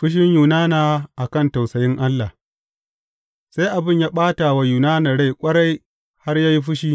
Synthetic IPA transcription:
ɸɪ˦ʃ̬ɪ˦ɲjuː˨naː˦naː˨ʔa˨kɐ˦˨nta˨wsɐ˨jɪ˦ŋʔa˦lːa˨h | sa˦jʔa˨bɪ˦ɲjaː˦ɓaː˦ta˨wa˨juː˨naː˦na˨ɽa˦˨jkʷʼɐ˦ɽa˦j | ha˦rjaː˦ji˦ɸ̬ɪ˦ʃiː˦

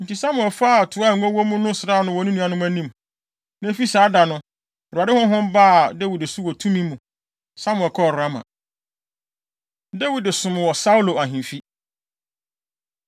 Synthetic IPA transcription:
n̩˨tʰi˨sa˦mʊ̃˨ɛ˨fa˦˨tʰʊ˨˦a˦˨ŋ̩˨ɡɔ˦wɔ˦mũ˦nʊ̃˦sɪ˨ɾa˦˨nʊ̃˦wɔ˨nĩ˦nũ˦a˨nʊ̃˦m˦æ̃˦nĩ˦˨m | nã˦fi˦saː˨˦da˨nʊ̃˦ | ɔ˨ɾa˨dɪ˦hʊ̃˦ɦʊ̃˦mba˦˨de˦wi˨dɪ˨su˦wɔ˨tʰũ˦mĩ˦mːũ˨ | sa˦mʊ̃˨ɛ˨kʰɔ˦ɔ˨ɾa˦mã̰˨ | de˦wi˨dɪ˨sʊ̃˨m˨wɔ˨sa˦u˦lo˨a˨ɦĩ˨mfi˦

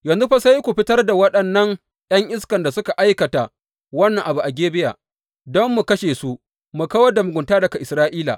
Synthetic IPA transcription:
jɐ˨nzu˦ɸɐ˦sɐ˦ji˦kʷu˨ɸɪ˦tɐ˦rda˨wɐ˦ɗɐ˨nːɐ˦ŋ | j̰ɐ˦ŋʔɪ˦skɐ˨nda˨sʊ˦ka˨ʔa˦jkɐ˨ta˨ | wɐ˦nːɐ˨ŋʔa˨bu˨ʔa˨ɡʲeː˦bɪ˦ja̰ː˨ | dɔ˦mːu˨kɐ˦ʃeː˨su˦ | mu˨ka˦wɐ˦da˨mʊ˨ɡʷʊ˨ntaː˦dɐ˨ka˨ʔɪ˨sɾaː˦ʔiː˦la̰˨

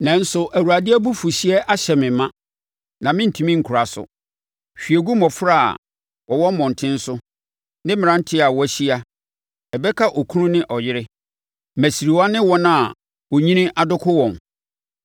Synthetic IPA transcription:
nã˨n̩˦sʊ˨ʔæ˨wu˨ɾa˨dɪ˦æ˦bu˦fu˨ɕi˦ɛ˦ʔa˦ɕɛ˨mɪ̃˨mã˦ | nã˨mɪ̃˦n̩˨tʰi˨mĩ˦ŋ̩˨kʰʊ˨ɾa˨sʊ̰˨ | ɕᶣi˨e˨ɡu˦mɔ̃˨fɾa˦˨a̰˨ | wɔ˨wɔ˦m˦mɔ̃˨n˨tʰɪ̃˦n̩˦sʊ˦ | nɪ̃˦mɪ̃˨ɾã˨˦n̩˦tʰɪ˦a˨wɔ˦æ˦˨ɕi˦a˦ | ɛ˨bɛ˦kʰa˦ʔɔ˨kʰu˦nʊ̃˦nɪ̃˦ʔɔ˨jɪ˦ɾɪ˦ | mæ˨si˨ɾi˨wa˦nɪ̃˦wɔ˦nã˦˨ | wɔ˨ɲĩ˦nĩ˦ʔa˨dʊ˦kʰʊ˦wɔ̃˨n

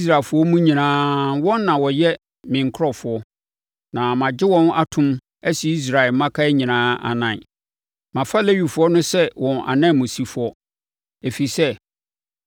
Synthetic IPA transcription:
s̬ɾa˨fʊ˦ɔ˦mũ˦ɲĩ˨nãː˦wɔ̃˦nː˦ã˨wɔ˨jɛ˦ | mɪ̃˨ŋ̩˨kʰɾɔ˨fʊ˨ɔ˦ | nã˨mã˨d͡ʑɪ˦wɔ̃˦na˦tʰʊ̃˦m | æ˦si˨˦i˦s̬ɾa˨ɛ˨lmã˦kʰa˦ɲĩ˨nãː˦a̰˨nã˨ | mã˨fa˦˨le˦ɥu˨fʊ˨˦ɔ˦nʊ̃˦sɛ˦wɔ̃˨na̰˨nã˦˨mũ˨si˦fʊ˦ɔ˦ | e˨fi˨sɛ˦

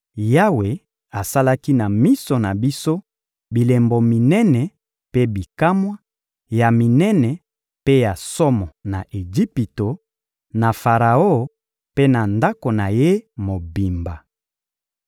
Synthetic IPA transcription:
ja˦we˨ | a˨sa˦la˦ki˦na˨mi˦so˨na˨bi˦so˦ | bi˨le˨mbo˨mi˨nɛ˦nɛ˨ | pe˦bi˨ka˦mwa˦ | ja˨mi˨nɛ˦nɛ˨ | pe˦ja˨sɔ˦mɔ˨na˨ʔe˨d͡ʒi˦pi˨to˨ | na˨fa˨ʁa˨o˦˨ | pe˦na˨nda˦ko˨na˨je˦mo˨bi˨mba˨

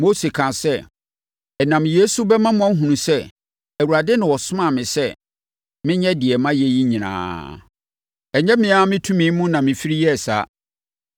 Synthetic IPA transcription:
mo˦se˨kʰã˨sɛ˦˨ | ɛ˨nã˨mje˦su˦bɛ˦mã˦mʊ̃˦ã˦ɦũ˨nũ˨sɛ˦ | æ˨wu˨ɾa˨dɪ˦nʊ̃˨wɔ˨sʊ˦mã˦˨mɪ̃˨sɛ˦ | mɪ̃˦ɲɛ˦dɪ˨ɛ˨mã˦jɛ˦ji˦ɲĩ˨nã̰ː˨ | ɛ˨ɲɛ̃˦mɪ̃˨˦a˦mɪ̃˦tʰũ˦mĩ˨˦mũ˦nã˨mɪ̃˨fi˦ɾi˦jɛ˦˨sa̰˦

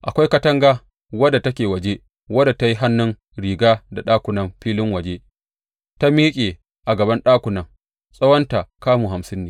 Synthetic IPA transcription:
ʔa˨kʷa˦jkɐ˦tɐ˦ŋɡaː˦ | wɐ˦da˨tɐ˦kʲeː˨wɐ˨d͡ʒe˦ | wɐ˦da˨ta˦ji˦ɦa˦nːʊ˦ŋ | ɾiː˨ɡaː˦da˨ɗaː˦kʷʊ˨nɐ˦mɸiː˦lɪ˦ŋwɐ˨d͡ʒeː˦ | ta˦miː˦kʲʼeː˨ | ʔa˨ɡɐ˨bɐ˦nɗaː˦kʷʊ˨nɐ˨ŋ | sʼɐ˦wɐ˦nta˨kaː˦muː˨ɦa˨msɪ˦nːeː˦

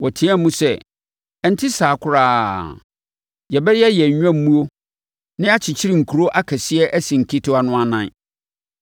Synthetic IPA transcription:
wɔ˨tʰĩ˦ã˦mũ˦sɛ˦ | ɛ˦n̩˦tʰɪ˦saː˨kʰʊ˦ɾaː˦˨ | jɛ˨bɛ˦jɛ˦jɛ˨ɲᶣ˦ã˦m˦mũ˦o˦ | nɪ̃˦a˦t͡ɕʰɪ˨t͡ɕʰɪ˦ɾi˨ŋ̩˨kʰu˨ɾo˦ʔa˦kʰɛ˨sɪ˦ɛ˦ʔæ˦sĩ˨ŋ̩˨kʰi˦tʰʊ˦a˨nʊ̃˦a˦nã̰˦˨n˦˨

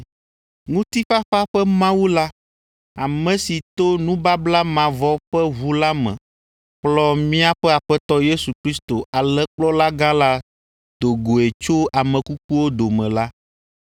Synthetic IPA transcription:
ŋũ˦t̪i˦ɸa˦ɸa˦ɸɛ˦mã˦wu˦la˦ | a˨mɛ̃˨si˨t̪o˦nũ˦ba˦bla˦mã˨vɔ˦ɸɛ˦βu˦la˦mɛ̰̃˨ | k͡plɔ˦mĩ˦a˦ɸɛ˦a˨ɸɛ˦t̪ɔ˦je˦su˨kɾi˦st̪o˨ʔa˨lɛ˦k͡plɔ˦la˦ɡã˦la˦ | d̪o˨ɡo˨e˨t͡ʃo˦a˨mɛ̃˨ku˦k̚u˦wo˦d̪o˨mɛ̰̃˨la˦

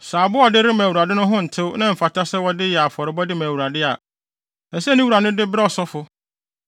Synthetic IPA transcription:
saː˨bʊ˦ɔ˨dɪ˦ɾɪ˦mã˨wu˨ɾa˨dɪ˦nʊ̃˦ɦʊ̃˦n̩˨tʰɪ˦wnã˦m̩˨fa˨tʰa˦sɛ˦wɔ˦dɪ˦jɛ˨a˨fɔ˨ɾɪ˨˦bɔ˦dɪ˦mæ̃ː˨wu˨ɾa˨dɪ˦a˨ | ɛ˨sɛ˦nɪ̃˦wu˨ɾa˨nʊ̃˦dɪ˦bɪ˦ɾɛ˦ɔ˨sɔ˦fʊ˦

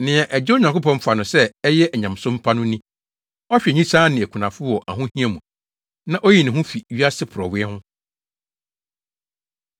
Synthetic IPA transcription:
nɪ̃˨ɛ˨ʔɛ˨d͡ʑɪ˦o˦ɲã˨ŋko˦pɔ̃˦m˦fa˨nʊ̃˨sɛ˦ɛ˦jɛ˦ʔɛ˨ɲã˨msʊ̃˦m˦pʰa˦nʊ̃˦nĩ˦ | ɔ˦ɕᶣɛ˨ɲĩ˦saː˦nɪ̃˨æ˨kʰu˨nã˨fʊ˦wɔ˨ʔa̰˨ɦʊ̃˦hĩ˦ɛ˨mũ˨ | nã˦ʔɔ˦ji˨nɪ̃˨ɦʊ̃˦fi˨ɥi˦a˦sɪ˦pʰʊ˨ɾɔ˨wɪ˦ɛ˦hʊ̃˦

